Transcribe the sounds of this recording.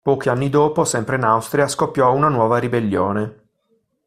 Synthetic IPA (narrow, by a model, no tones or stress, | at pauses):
pɔːk̟ianːid̪oːposɛmpɾeinawst̪ɾiaskopːjɔunanwɔːvaɾibelːjo̰ːne